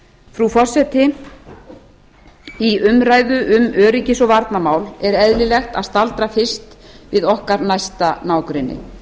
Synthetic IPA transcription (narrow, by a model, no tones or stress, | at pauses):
fɾufɔr̥sɛt̪ɪ | iʏmɾaːjðʏʔʏmœːɾicɪsɔvaɾt̪namaːwlɛɾɛðlɪlɛxt̪aðst̪alt̪ɾafɪr̥st̪vɪðɔhkaɾnajst̪anaːwkɾɪnːɪ̰